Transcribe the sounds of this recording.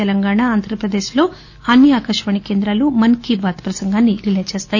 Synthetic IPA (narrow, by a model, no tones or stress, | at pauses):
ɛlɐŋɡaːɳaaːnd̪ʱɾɐpɾɐd̪e̞ːʃlo̞ː | ɐnːiaːkɐʂʋɐɳikeːnd̪ɾaːlumɐnkibaːt̪pɾɐsɐŋɡaːnːiɾilet͡ʃeːst̪aːj